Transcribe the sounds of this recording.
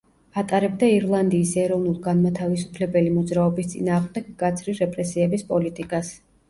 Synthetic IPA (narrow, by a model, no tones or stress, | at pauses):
at̪ʼaɾɛb̚d̪aiɾlˠand̪iːsɛɾɔvnulˠɡanmat̪ʰavisupʰlɛbɛlimɔd̪zɾaɔbist̪sʼḭnaːʁmd̪ɛɡɡat̪sʰɾiɾɛpʼɾɛsiɛbispʼɔlit̪ʼikʼas